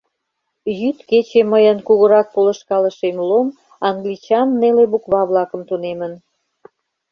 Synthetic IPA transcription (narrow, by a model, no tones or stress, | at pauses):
jyt̪ket͡ɕeməjənkuɣə̆ɾɑk̚polə̆ʃkɑləʃemlom | ɑŋɡlit͡ɕɑnneleβukβɑβlɑkə̆mt̪unemən